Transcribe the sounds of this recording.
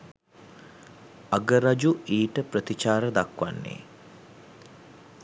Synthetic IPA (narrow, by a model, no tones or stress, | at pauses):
aɡəɾad͡ʒuiːʈəprət̪it͡ʃaːɾəd̪akʋa̰nːḛː